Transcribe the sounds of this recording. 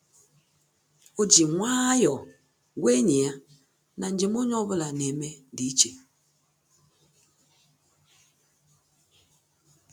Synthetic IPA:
o˨d͡ʒi˨ŋwa˦jɔ˨ | we˦ɲi˨a˦ | na˨n˦d͡ʒi˨mo˦ɲɔ˦βə˦la˨ne˨me˦ndi˨˦t͡ʃe˨

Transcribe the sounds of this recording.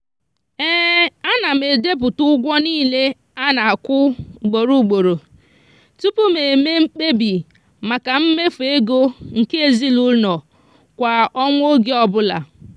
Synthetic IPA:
ɛː˦a˦na˨m̩˨e˨de˦p̬ʊ˨tʊ˦ɡʷɔ˦niː˦le˦ | a˦na˨a˨kʷʊ˦˨ɡ͡bo˨ɾu˦˨ɡ͡bo˨ɾo˨ | tu˦pu˦me˨me˦m̩˦k͡pe˦bi˨ | ma˨ka˨m̩˦me˦fu˨e˦ɡo˦ŋ̩˨ke˦e˨zi˦lʊ˦nɔ˨ | kʷa˨ɔ˦ŋʷ˦o˦ɡe˦ɔ˦bʊ˦la̰˨

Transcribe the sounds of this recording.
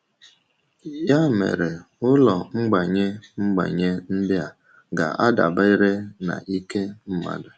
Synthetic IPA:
ja˦˨mḛ˨ɾe˨ | ʊ˦lɔ˨ŋ͡m̩˦ɡ͡ba˨ɲe˦ŋ͡m̩˦ɡ͡ba̰˨ɲe˦n̩˦dɪ˦a˨ | ɡa̰˨ʔa˦da̰˨ba˦i˦ɾe˦na̰˨ʔi˦ke˦m̩˦ma̰˨da˨

